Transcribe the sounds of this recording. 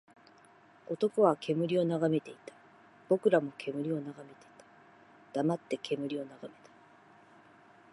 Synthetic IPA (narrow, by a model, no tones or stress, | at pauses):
o̞t̪o̞ko̞βakʰe̞mɯ̟ɾʲio̞naɡame̞t̪e̞it̪ḁ | b̥o̞kɯ̟ɾamo̞kʰe̞mɯ̟ɾʲio̞naɡame̞t̪e̞̥i̥t̪ḁ | d̪̥amat̪ːe̞kʰe̞mɯ̟ɾʲio̞naɡame̞̥t̪ḁ